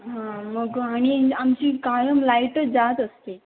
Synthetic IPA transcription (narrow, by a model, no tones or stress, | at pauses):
ɦãməɡaɽ̃iamt͡ɕiːkajəmlajʈəd͡zat̪əst̪e